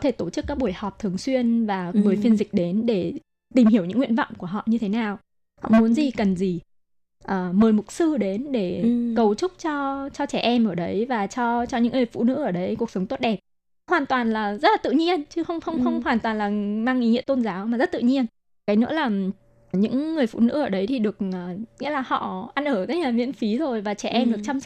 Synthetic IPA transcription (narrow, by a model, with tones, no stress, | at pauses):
t̪ʰe˧˩t̪o˧˩t͡ɕɨ˦˥kːaː˦˥k̚ɓu˧˩əjhɔ˨˩p̚t̪ʰɨ˨˩əŋswi˧ənvaː˨˩məː˨˩jfi˧ənzï˨˩k̟̚ɗe˨˦nɗe˧˩ | t̪i˨˩mɦi˧˩əwɲɨ̰˧˥ŋwḭ˧˨ənvɔ̰˧˨wŋ͡mku˧˩əɦɔ̰˧˨ɲɨ˧t̪ʰe˨˦naː˨˩w | hɔ̰˧˨mu˨˦ənzi˨˩kə˨˩nzi˨˩ | ʔəː˨˩məː˨˩jmʊ˨˩t̚sɨ˧ɗe˨˦nɗe˧˩kə˨˩wt͡ɕʊ˦˥k͡p̚t͡ɕɔ˧t͡ɕɔ˧t͡ɕɛ˧˩ʔɛ˧mʔəː˧˩ɗə˨˦jvaː˨˩t͡ɕɔ˧t͡ɕɔ˧ɲɨ̰˧˥ŋːɨ˨˩əjfṵ˧˥nɨ̰˧˥ʔəː˧˩ɗə˨˦jku˨˩ək̚sə˨˦wŋ͡mt̪o˦˥t̚ɗɛ˨˩p̚ | hwaː˨˩nt̪waː˨˩nlaː˨˩zə˦˥t̚laː˨˩t̪ɨ̰˧˨ɲi˧ənt͡ɕɨ˧xə˧wŋ͡mxə˧wŋ͡mxə˧wŋ͡mɦwaː˨˩nt̪waː˨˩nlaː˨˩maː˧ŋʔi˨˦ŋḭ˧ət̪o˧nzaː˨˦wma˨˩zə˦˥t̚t̪ɨ̰˧˨ɲi˧ən | kaː˨˦jnɨ̰˧˥laː˨˩ | ɲɨ̰˧˥ŋːɨ˨˩əjfṵ˧˨nɨ̰˧˥ʔəː˧˩ɗə˨˦jt̪ʰi˨˩ɗɨ˨˩ək̚ʔəː˨˩ŋḭ˧˥laː˨˩hɔ̰˧˨ʔa˧nʔəː˧˩t̪ə˨˦˥k̚laː˨˩mḭ˧˥ənfi˨˦zo˨˩jvaː˨˩t͡ɕɛ˧˩ʔɛ˧mɗɨ˨˩k̚t͡ɕa˧wms